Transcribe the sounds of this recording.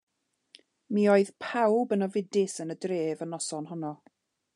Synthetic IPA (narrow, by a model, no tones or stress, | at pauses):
mioːɨð̥pʰawbənɔvɪdɪsənədreːvənɔsɔnɦɔnɔ